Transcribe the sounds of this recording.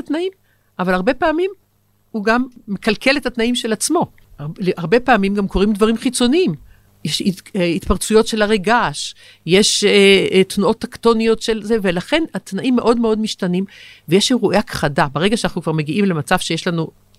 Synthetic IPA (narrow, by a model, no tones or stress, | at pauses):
atnaim | ʔavalaʁbe̞paːmim | huɡamːe̞kalkʰe̞let̪hat̪naimʃe̞lat͡smo̞ | leaʁbe̞paːmimɡamkʰo̞ʁimdvaʁimχit͡so̞niim | jeʃiit̪paʁt͡sujo̞tʃe̞laʁeɡaʃ | je̞ʃ | t̪nuʔo̞t̪ːakto̞nijo̞tʃelze̞velaχe̞nat̪naʔimːe̞ʔo̞dmeo̞dmiʃtanimvejeʃeʁuʔeakχadabeʁeɡaʃeanaχnukvaʁme̞ɡiʔimlemat͡sav̥ʃejeʃlanu